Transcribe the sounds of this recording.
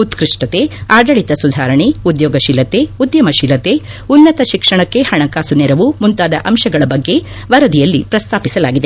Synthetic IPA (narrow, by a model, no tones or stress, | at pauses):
ut̪kɾiʂʈɐt̪eaːɖɐɭit̪ɐsud̪ʱaːɾɐɳeud̪jɔːɡɐʃilɐt̪eud̪jɐmɐʃilɐt̪e | unːɐt̪ɐʃikʂɐɳɐkːe̞hɐɳɐkaːsunɛɾɐʋumunt̪aːd̪ɐ̰ʔɐmʃɐɡɐɭɐbɐɡːe̞ | ʋɐɾɐd̪ijɐlːipɾɐst̪ʰaːpisɐlaːɡid̪e